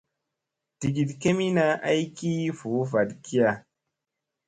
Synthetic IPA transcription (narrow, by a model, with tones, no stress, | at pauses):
ti˨ɡi˨dke˦mi˦na˦ʔa˦jki˦fu˨˦fa˨dki˦ja˨